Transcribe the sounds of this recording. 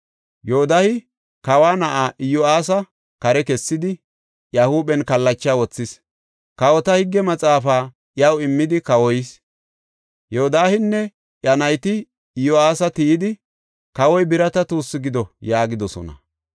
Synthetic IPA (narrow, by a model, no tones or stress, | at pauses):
joːd̪ahɪ | kɐwaːnɐʔaːʔɪjɔaːsɐ | kɐɾɛkɛsːɪd̪ɪ | jɐhuːɓɛnkɐlːɐt͡ʃːaːwɔt͡sːɪs | kɐwɔt̪ɐhɪɡːɛmɐt͡sʼaːfaː | jɐwɪmːɪd̪ɪkɐwɔjɪs | joɔd̪aːhɪnːɛ | jɐnɐjt̪ɪː | jɔaːsɐt̪ijɪd̪ɪ | kɐwɔjbɪɾɐt̪ɐt̪uːsːɪɡɪd̪ɔjaːɡɪd̪ɔsɔ̰nɐ̰